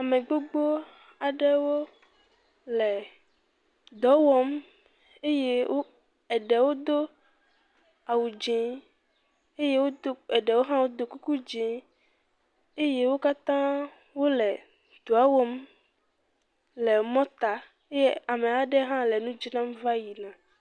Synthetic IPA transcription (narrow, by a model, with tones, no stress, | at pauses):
a˨mẽ˨ɡ͡bo˦ɡ͡bo˦ | a˨ɖɛ˦wo˦ | lɛ˨ | d̪ɔ˨˦wɔ˦m | e˦je˦wo˦ | ɛ˨ɖɛ˨wo˦d̪o˦ | a˨wu˨d͡ʒẽ˨˦ | e˦je˦wo˦o˦ɛ˨ɖɛ˨wo˦ɦã˦wo˦d̪o˨ku˦ku˦d͡ʒẽ˨˦ | e˦je˦wo˦ka˦t̪ã˦ | wo˦lɛ˨ | d̪o˨a˦wɔ˦m | lɛ˨mɔ̃˦t̪a˦ | e˦je˦a˨mẽ˨a˨ɖɛ˦ɦã˦lɛ˨nũ˦d͡ʒi˦nã˦m˦va˦ji˨nã˨